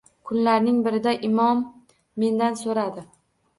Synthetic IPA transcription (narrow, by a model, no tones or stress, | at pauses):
kʰʊnlaɾnɪŋbɪɾɪd̪aʔɪmɒmː | e̞nd̪ansoɾad̪ɪ